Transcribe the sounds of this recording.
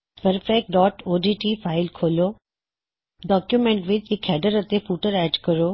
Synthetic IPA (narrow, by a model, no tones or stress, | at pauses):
pəɾfɛk̚ʈ̚ɖɔːʈoːɖiːʈiːfʰaːɪlkʰoːloː | ɖɔːkjumɛ̃ːɳʈʋɪt͡ʃɪkʰɛːɖəɾət̪epuːʈəɾɛːʈkəɾoː